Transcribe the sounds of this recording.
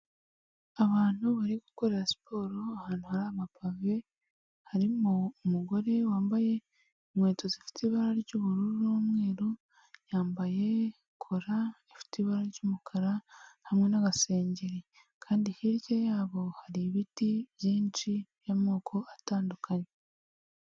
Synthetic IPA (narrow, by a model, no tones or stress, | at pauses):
aβaːn̥huβaɾiɡuko̞ɾe̞ɾasi̥pʰo̞ːɾo̞ahaːn̥huhaɾaβapave̞ | haɾimuːmuɡo̞ɾe̞waːmbaje̞ | imŋe̞ːtozifi̥tiβaɾaɾɟuβuɾuɾɾoːmŋe̞ːɾo | jaːmbaje̞ | kʰoɾaefi̥tiβaɾaɾɟuːmukʰaɾahamŋe̞naɡase̞ːɲɟeɾe | kʰaːndihiɾɟejaːβo̞haɾiβitiβjiːnt͡ʃijamoːkʰo̞ataːndukʰaɲe